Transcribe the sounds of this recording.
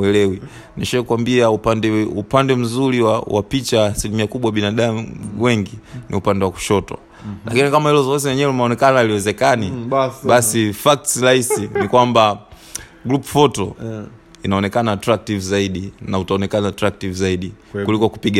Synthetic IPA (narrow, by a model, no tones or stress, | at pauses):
ɛlɛwi | niʃaɛkuwambiaupandɛupandɛm̩zuliwawʔa̰pit͡ʃasilimiakuɓwaɓinaɗamwɛŋɡinʔḭupandɛwaku̥ʃɔtwa̰ | lakinikamahilɔzɔɔzijɛɲɛɛlumaɔnɛkanailiwɛzɛkaniɓasifak̚tsiɾahisinikwamba | ɡɾupufɔtɔ | inaɔnɛkanaːtɾak̚tivzaiɗinautaɔnɛkanaːtɾak̚tivzaiɗi | kulikɔku̥piɡa